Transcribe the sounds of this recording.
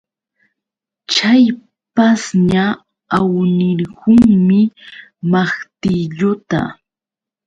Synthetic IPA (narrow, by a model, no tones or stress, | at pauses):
t͡ʃaj | pasɲa | awnɪɾhʊŋmɪmaχt̪ɪʎʊt̪a̰